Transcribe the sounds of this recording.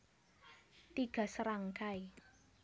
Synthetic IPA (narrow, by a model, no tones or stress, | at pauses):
t̪iɡ̥a̤səɾaŋkai